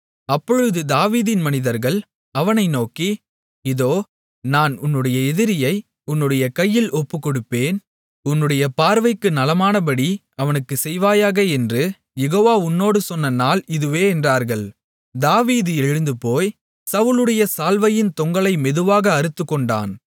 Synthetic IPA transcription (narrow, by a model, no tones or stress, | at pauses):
ɐpːɔɻɯðɯd̪aːʋiːðɪnmɐnɪðɐɾɣɐɭ | ɐʋɐnɐɪnoːki | ɪðoː | naːnʊnːɯɽɐjɐɛðɪɾɪjɐɪ | ʊnːɯɽɐjɐkɐjːɪlʔɔpːɯkːɔɽɯpːeːn | ʊnːɯɽɐjɐpaːɾʋɐɪkːɯnɐlɐmaːnɐb̬ɐɽi | ɐʋɐnɯkːɯsɛjʋaːjaːɣɐɛndrɯ | jɛɣoːʋaːʊnːoːɽɯsɔnːɐnaːlɪðɯʋeːɛndraːɾɣɐɭ | d̪aːʋiːðɯɛɻɯnd̪ɯpoːj | sɐʋɯlɯɽɐjɐsaːlʋɐjɪnt̪ɔŋɡɐɭɐɪmɛðɯʋaːɣɐːɾɯt̪ːɯkːɔɳɖa̰ːn